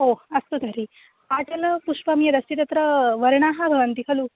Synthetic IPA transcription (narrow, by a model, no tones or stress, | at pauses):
ɦoɐst̪ut̪ɐɾi | aːʈ̪ɐlɐpuʂʋɐmijɐd̪ɐsit̪ɐt̪ɾɐʋɐɾɳ̃aːɦɐbʱɐʋɐnt̪ikʰɐlu